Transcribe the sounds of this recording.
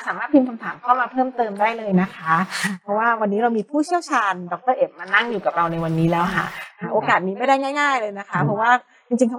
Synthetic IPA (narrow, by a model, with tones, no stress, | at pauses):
saː˨˩˦maː˥˩t̪ʰiː˧mkʰa˧mt̪ʰaː˩˦mkʰa˥˩wmaː˧pʰɤː˥˩mt̪ɤː˧mdaː˥˩jlɤː˧jna˦˥kʰa˦˥pʰɔ˦˥waː˥˩wa˧nːiː˦˥ɾa˧wmiː˧pʰuː˥˩t͡ɕʰi˥əwt͡ɕʰaː˧ndɔ˨˩k̚t̪ɤː˥˩ʔe˨˩p̚ma˧nːa˥˩ŋjuː˨˩ka˨˩p̚ɾa˧wna˧jwa˧nːiː˦˥lɛː˦˥wkʰa̰˥˩ʔʔoː˧kaː˨˩t̪̚niː˦˥ma˥˩jda˥˩jŋaː˥˩jŋaː˥˩jlɤː˧jna˦˥kʰa˦˥pʰɔ˧˥waː˥˩ | t͡ɕi˧ŋt͡ɕi˧ŋkʰa˦˥